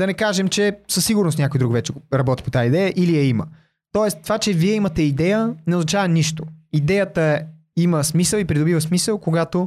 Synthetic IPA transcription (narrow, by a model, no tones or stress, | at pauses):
d̪ɐnɛkaʒɛmt͡ʃɛsəsːiɡʊɾnosnʲakojd̪ɾukvɛt͡ʃɛɾɐbɔt̪i̥pot̪aid̪ɛjəʔiliɛimə̰ | t̪ɔɛst̪ovat͡ʃɛviɛimɐt̪ɛid̪ɛjənɛoznɐt͡ʃavəniʃt̪oid̪ɛjət̪ə | iməsmisəlˠipɾid̪obivəsmisəlˠkoɡat̪o